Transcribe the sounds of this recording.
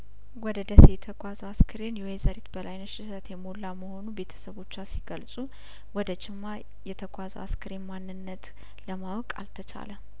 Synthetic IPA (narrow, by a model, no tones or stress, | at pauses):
wɔd̪əd̪əse̞jɛt̪ʰəkʷʼazəwaskʰəɾenjuezəɾet̪bəlajnəʃɪsət̪jɛmolːaməho̞nube̞t̪ʰə̥səβo̞t͡ʃːasiɡəlsʼu | wɔd̪ət͡ʃʼɪmːa | jɛt̪ʰəɡʷʼazə̰wa̰skʰəɾenmanːɨnːət̪ | ləmawɔkʼa̰lt̪ʰət͡ʃʰa̰lə